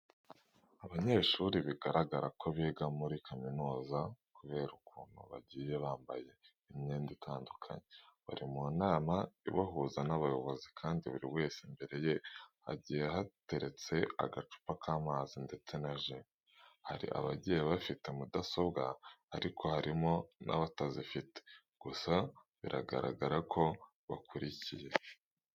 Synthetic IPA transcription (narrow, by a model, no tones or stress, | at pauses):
aβaɲe̞ʃuːɾiβiɡaɾaɡaɾakʰo̞βiːɡamuɾikʰaminuːzakuβe̞ːɾukuːn̥hṵβa̰ɟiːje̞βaːmba̰je̞ | imɲiːnditʰaːndukʰa̰ɲeβa̰ɾimunaːmaḭβaɦuzanaβajo̞βo̞zikʰaːndiβṵɾiwe̞ːsimbe̞ɾe̞je̞ | a̰ɟijehate̞ɾe̞t͡se̞a̰ɡat͡ʃu̥pakʰaːmaːzinde̞t͡se̞naʒe | haɾḭʔa̰βaɟejeβafitemudaso̞bɡaaɾikʰo̞haɾimo̞nʔa̰βatazifite̥ | ɡ̥usa | βiɾʔa̰ɡa̰ɾa̰ɡaɾakʰo̞ | βakuɾicije